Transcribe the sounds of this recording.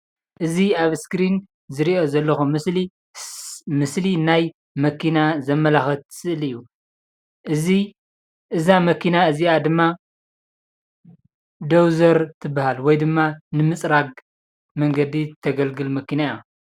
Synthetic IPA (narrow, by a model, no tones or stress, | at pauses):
ʔɨziaβskɾin | zɨɾiʔo̞zɐlːɐxumɨsli | mɨslinaj | mɐkʰinazɐmːɐlaxɐt̪ʰːɨ̥sɨʔɨlɨjːu | ʔɨzi | ʔɨzamɐkʰinaɨziad̪ɨmːa | d̪ɐwzɐɾt̪ʰɨbːahalwɔjd̪ɨmːanɨmɨt͡sʼɾaɡ | mɐŋɡɐd̪it̪ʰɐɡɐlɡɨlmɐkʰinaa